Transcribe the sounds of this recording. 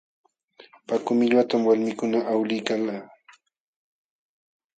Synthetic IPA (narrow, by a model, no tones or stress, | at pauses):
pakʊmɪʎwat̪amwalmɪkʊnaʔawlɪjkalaː